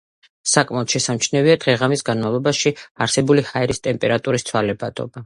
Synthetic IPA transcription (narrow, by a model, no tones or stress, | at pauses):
sakʼmaɔt̪ʃɛsamt͡ʃʰnɛviad̪̥ʁɛʁamisɡanmavlˠɔbaʃiaɾsɛbulihaɛɾist̪ʼɛmpʼɛɾat̪ʼuɾist̪sʰwalɛbad̪ʼɔ̰ba